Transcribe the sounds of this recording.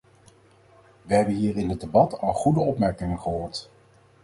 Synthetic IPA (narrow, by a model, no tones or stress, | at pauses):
ʋəɦɛbənɦiːɾɪnɦədebɑtɑlˠχudəɔpmɛɹkɪŋənχəɦoːɹt